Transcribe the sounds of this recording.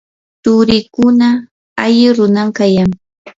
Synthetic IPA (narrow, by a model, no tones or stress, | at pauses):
t̪ʊɾɪkʊna | aʎɪɾʊnamkajaŋ